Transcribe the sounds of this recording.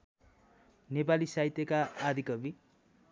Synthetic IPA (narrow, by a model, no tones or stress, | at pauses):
nepalisait̪jʌkaːd̪ʱikʌbi